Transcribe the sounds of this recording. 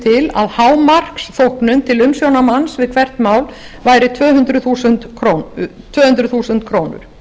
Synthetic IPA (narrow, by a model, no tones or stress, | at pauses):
t̪ʰɪla̰ðhaːwmar̥ksθowhknʏmt̪ʰɪlʏmsjownamansvɪðkʰvɛr̥t̪maːwl | vaːjɾɪt̪ʰvœːɦʏnt̪ɾʏθuːsʏnt̪ʰot̪ʰvœːhʏnt̪ɾʏðθuːsʏnt̪̚kʰɾoːwnʏ̰ɾ̥